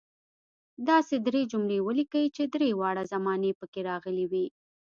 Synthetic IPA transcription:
d̪ɑsed̪ɾed͡ʒʊmɽewəlikawit͡ʃed̪ɾewɑɽazamɑnepəkeɾɑɣəliwi

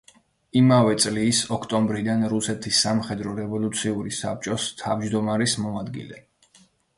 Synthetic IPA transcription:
imavɛt̪sʼlisɔkʰt̪ʼɔmbɾid̪anɾusɛt̪ʰisːamχɛd̪ɾɔɾɛvɔlˠut̪sʰiuɾisa̰p̚t͡ʃʼɔst̪ʰavd͡ʒd̪ɔmaɾɛsmɔad̪ɡḭlɛ̰

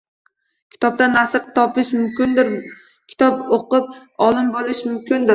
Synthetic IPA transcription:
kʲʰɪ̥t̪ɒp̚t̪anːasɨɾt̪ʰɒpɪʃmʊmkʲɪnd̪ɪɾ | kʲʰɪ̥t̪ʰɒpoqɨp̚ɒlˠɪmbolˠɪʃmʊmkʲɪnd̪ɪɾ

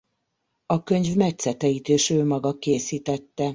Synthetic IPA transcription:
ɒkø̞ɲvmɛc̪sɛt̪ɛit̪eːʃøːmɒɡɒkeːsiːt̪ɛt̪ːɛ

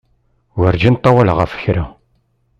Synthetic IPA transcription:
wəɾd͡ʒint̪ˤːɑwælʁə̰fə̥çɾa

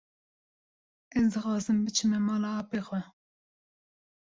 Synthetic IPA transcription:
ɛzd̪ɨxɑːzɨmbɨt͡ʃʰɨmɛmɑːlɑɑːpeːxʷɛ

